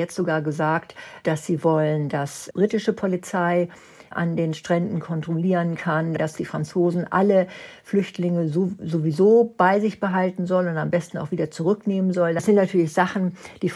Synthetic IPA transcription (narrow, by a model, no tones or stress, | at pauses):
ɛt͡stz̥oɡaːɐɡəzaːktd̥asz̥iːvɔləndasb̥ʁiːtɪʃəpʰolit͡saɪ | ʔa̰ndeːnʃtʁ̥ɛndn̩kʰɔntʁ̥oliːʁənkʰandd̥asd̥iːfʁ̥ant͡soːzn̩ʔa̰ləflʏçtlɪŋəzzovizoːb̥aɪzɪçb̥əɦaltn̩zɔlənʊntambɛstn̩aʊxviːdɐt͡suʁʏkneːmənzɔldasz̥ɪntnatʰyːɐlɪçz̥aχn̩d̥iːf